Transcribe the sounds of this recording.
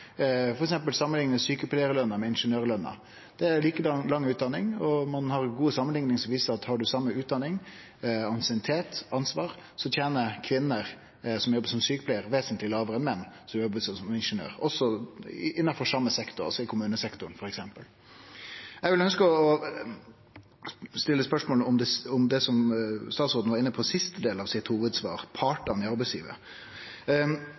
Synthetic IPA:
fɔɾɛksɛmpəlsɑmːənlɪŋnɛsyːkəpʰlæɪəɾəlœnːəmɛɪnʂənøːɾlœnːɑ̰ | d̪̥ɛæɾliːkəlɑŋːʉːt̪̚d̪ɑnɪŋɔmɑnhɑɾɡuːəsɑmənlɪŋnɪŋsɔmʋiːsəɾɑt̪hɑɖʉsɑmːəʉːt̪̚d̪ɑnːɪŋ | ɑnsɪənɪt̪ʰeːt̪ɑnsʋɑːɾsɔt̪ʰjeːnəkʰʋɪnːəɾ | sɔmjɔbːəʂɔmsyːkəpʰlæɪəɾʋeːsənt̪lɪlɑːʋəɾɛnmɛnːsɔmjɔbəsɔsɔmɪnʂənø̰ːɾɔsːɔɪnːɑfɔʂɑmːəsɛkt̪ʊɾɔ̰sɔɪkʰʊmʉːnəsɛkt̪ʊɳ̩fɔɾɛksɛmpəl | ɛɡʋɪlœnskəɔː | st̪ɪlːəspœʂmoːləɔmd̪ɛɔmd̪ɛsɔmst̪ɑːt̪sɔɾd̪n̩ʋɑɾɪnːəpʰɔsɪst̪əd̪eːlɑʋsɪt̪huːʋəd̪sʋɑ̰ːɾpʰɑːʈɑnɪɑɾbæɪsjḭːʋə̰

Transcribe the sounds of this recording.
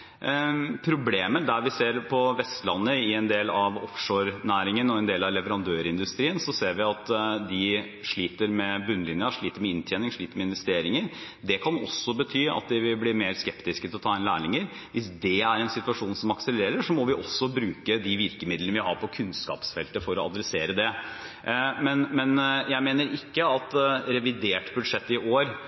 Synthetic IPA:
pʰɾʊbleːməd̪æɾʋɪseːɾpʰɔʋɛst̪lɑnːəɪɛnd̪eːlɑʋɔfʂoːɾnæːɾɪŋənɔɛnd̪eːlɑʋlɛʋəɾɑnd̪øːɾɪnd̪ʉst̪ɾiːənsɔseːɾʋɪɑt̪d̪ɪ | ʂɭiːt̪əɾmɛbʉnːlɪnjɑʂɭiːt̪əɾmɛɪnt̪ʰjɛːnɪŋʂɭiːt̪əɾmɛɪnʋɛst̪eːɾɪŋəɾ | d̪ɛkʰɑnɔ̰sːɔbət̪ʰyːɑ̰t̪̚d̪ɪʋɪlbliːɾmeːɾskɛpt̪ɪskət̪ɪlɔt̪ʰɑːɪnlæːɭɪŋəɾ | ʋʔɪsd̪ɛæɾɛnsɪt̪ʉʋɑʂuːnsɔmɑksəlleːɾəʂɔmɔʋɪʔɔsːɔbɾʉːkəd̪ɪʋɪɾkəmɪd̪lnəʋɪɦɑ̰ːɾpʰɔkʰʉnskɑ̰ːpsfɛlt̪əfɔɾɔɑd̪ɾɛseːɾəd̪ɛ | mɛnmɛnjæɪmeːnəɾɪkːəɑt̪ɾɛʋɪd̪eːʈbʉd̪ʂɛt̪ːɪʔoːɾ

